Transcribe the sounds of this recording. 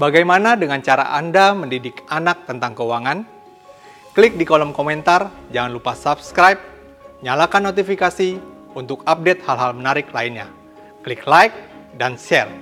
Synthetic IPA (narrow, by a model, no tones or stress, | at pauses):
baɡajmanadəŋant͡ʃaɾa̰ʔa̰ndaməndidɪkanak̚t̪ənt̪aŋkəuwaŋan | klɪk̚dikolɔmkomɛnt̪ard͡ʒaŋanlupasapskɾajp̚ | ɲalakanːot̪ifikasi | unt̪ʊkap̚dɛt̪̚halɦalmənaɾɪklainɲa̰ | kliklajk̚danʃɛr